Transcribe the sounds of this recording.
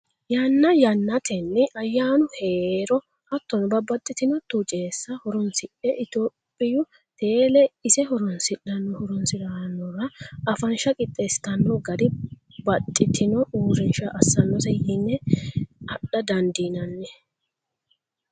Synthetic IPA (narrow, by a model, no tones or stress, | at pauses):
jɐnːɐjɐnːɐt̪ɛnːɪʔɐjːaːnʊheːɾɔ | ʔɐt̪ːɔnbɐbɐt̪ʼːɪt̪ɪnɔt̪ut͡ʃʼeːsːɐhɔɾɔnsɪᶑɛʔɪt̪opʼːɪjʊ | t̪eːlɛɪsɛhɔɾɔnsɪᶑːɐnːɔhɔɾɔnsɪd̪ɐnːɔɾɐɐfɐnʃɐkʼɪt̪ʼːest̪ɐnːɔɡɐd̪ɪ | bɐt̪ʼːɪt̪ʰɪnɔuːɾɪnʃɐʔɐsːɐnːɔsɛjɪnːɛ | ɐɗːɐd̪ɐnd̪inɐnːɛ